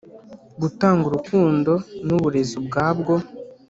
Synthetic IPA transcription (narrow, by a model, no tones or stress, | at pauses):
ɡutaːŋɡuɾukuːndo̞nuβuɾe̞zubɡaːbɡo̞